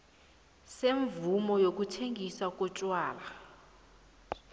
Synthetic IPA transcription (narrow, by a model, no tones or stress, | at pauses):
seɱvumɔjok̬ʼutʰeŋisakʼɔt͡ʃʼwaːla